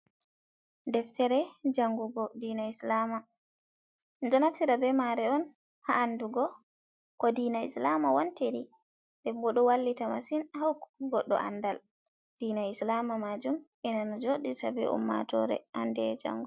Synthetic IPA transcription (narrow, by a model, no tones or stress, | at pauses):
dɛftɛɾɛd͡ʒaŋɡuɡɔdiːnaislama | nd͡ʒɔnafsiɾabɛmaɾɛɔn | haːnduɡɔ | kɔdiːnaḭslamawanteɾi | dɛmbɔɗɔwalːitamasinhawɡɔɗːɔ̰ʔa̰nːdal | d̥inaislamamad͡ʒum | ɛnanɔd͡ʒoɗitabɛ̰ṵmːa̰tɔ̰ɾɛ̰ʔandɛd͡ʒa̰ŋɡu